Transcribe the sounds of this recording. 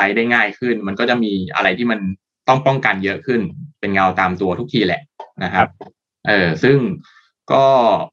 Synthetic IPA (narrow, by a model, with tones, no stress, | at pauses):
a˦˥jda˥˩jŋaː˥˩jkʰɯ˥˩nma˧nkɔː˥˩t͡ɕa˨˩ʔmiː˧ʔa̰˧ɾa˧jt̪ʰiː˥˩ma˧n | t̪ɔ˥˩ŋpɔ˥˩ŋka˧njɤ˦˥ʔkʰɯ˥˩npe˧nŋa˧wt̪aː˧mt̪u˧ɐt̪ʰu˦˥k̚t̪ʰiː˧lɛ̰˨˩ʔna˦˥kʰa˦˥p̚ | ʔɤː˨˩sɯ˥˩ŋ | kɔː˥˩